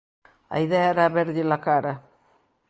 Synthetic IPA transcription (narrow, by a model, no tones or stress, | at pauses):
a̰jðaaɾabeɾɡilakaɾa